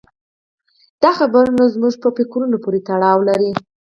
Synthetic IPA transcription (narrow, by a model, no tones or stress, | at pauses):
d̪̥ɑxabaɾunazmuʒpəpekɾunopoɾet̪aɽɑwlaɾi